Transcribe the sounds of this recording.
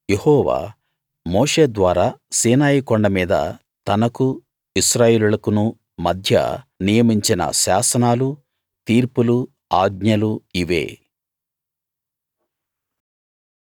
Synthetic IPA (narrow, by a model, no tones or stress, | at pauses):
jehɔːʋa̰ː | mɔːʂe̞ːd̪ʋaːɾaːsiːnaːjikɔɳɖɐmiːd̪ɐ̰ | t̪ɐnɐku | iʃɾaːjeːlulɐkunu | mɐd̪ʱjɐ̰nijɐmiɲt͡ʃinɐ̰ʃaːsɐnaːlu | t̪iːɾpulu | aːɡɲɐluiʋe̞̰ː